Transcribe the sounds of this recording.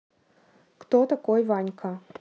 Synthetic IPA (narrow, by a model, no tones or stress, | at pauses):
kt̪ot̪ɐkojvanʲkʰa